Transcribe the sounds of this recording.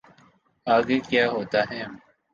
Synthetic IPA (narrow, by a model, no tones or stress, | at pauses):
aːɡeːkjaːɦoːt̪aːɦɛ̃ː